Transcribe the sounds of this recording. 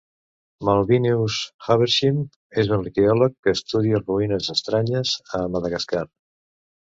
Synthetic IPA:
malˠβineusxaβeɾʃim | ezunlikeɔləkːəːst̪uðiəruinəzəst̪ɾaɲəzəmaðəɣaskar

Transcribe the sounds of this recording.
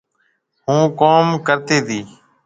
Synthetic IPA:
hũːkoːmkəɾt̪eːt̪iː

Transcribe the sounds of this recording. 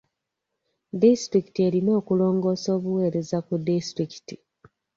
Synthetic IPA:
distɾiki̥tie̞ɾino̞ːkulo̞ːŋɡo̞ːso̞ːβuwe̞ːɾe̞zakudistɾiki̥ti

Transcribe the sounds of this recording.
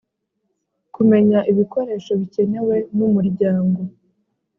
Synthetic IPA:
kume̞ɲaʔiβiko̞ɾe̞ːʃo̞βice̞ne̞we̞numuɾɟaːŋɡo̞

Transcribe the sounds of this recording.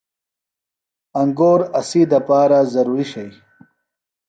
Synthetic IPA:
ɐŋɡoːɾɐsid̪ɐpaːɾazɐɾuːɾiɕɐj

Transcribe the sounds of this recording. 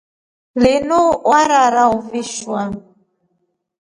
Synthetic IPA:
lɪnuʔwaɾaɾauviʃwa

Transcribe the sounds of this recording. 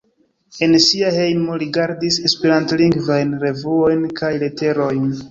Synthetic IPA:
e̞nsiaɦe̞jmoɾiɡaɾdise̞speɾantliŋɡvajnɾe̞vuo̞jnkʰajle̞te̞ɾo̞jn

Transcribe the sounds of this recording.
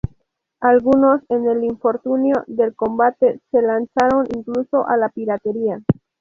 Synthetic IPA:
alɡuno̞sene̞liɱfo̞ɾt̪unjode̞lko̞mbat̪e̞se̞lant͡saɾo̞nʔiŋkluso̞ʔalapiɾat̪e̞ɾia

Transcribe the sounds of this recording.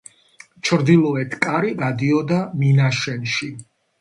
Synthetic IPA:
t͡ʃʰɾd̪ilˠɔɛt̪ʰkʼaɾiɡad̪iɔd̪aminaʃɛnʃi

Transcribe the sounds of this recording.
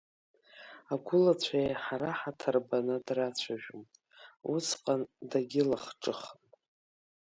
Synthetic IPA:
aɡʷʊlat͡ɕʷʰajħaɾaħatʰarbanɨdrat͡ɕʷʰaʒᶣʊm | usʰqʼandaɡʲɪlaχʈ͡ʂʼɨχn

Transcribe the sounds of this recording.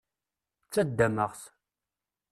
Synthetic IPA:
t͡sːæd̪ːæməʁs

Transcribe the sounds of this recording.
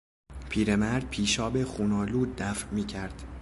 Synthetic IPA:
pʰiːɾemæɾd̪̥̚pʰiːʃɒːbexuːnɒːluːd̪̚ːæfmiːcʰæɾd̪̥

